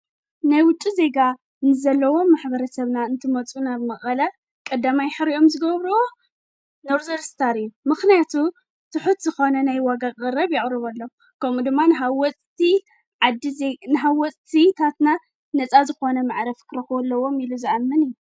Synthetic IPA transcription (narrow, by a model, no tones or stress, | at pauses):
najwʊt͡ʃʼːize̞ɡa | nɨzɐlːɐwo̞mːaħbɐɾɐsɐβnaɨnt̪ʰɨmɐt͡sʼunaβmɐχʼɐlɐ | kʼɐd̪ːamajħɨɾiʔo̞mzɨɡɐβɾuo | noɾzɐɾst̪ʰaɾijumɨxnijat̪ʰu | t̪ʰɨħut̪zɨxo̞nɐnajwaɡaɣʼɐɾɐβjɪɣʼɾɨβɐlːo | kʰɐmud̪ɨmːanɦawɔt͡sʼt̪i | ʕad̪inɨɦawːɔt͡sʼt̪ʰit̪ʰat̪na | nɐt͡sʼazɨxo̞nɐmaʕɾɐfkʰɨɾɐxɐlːɐwo̞miluziamːɨnijːu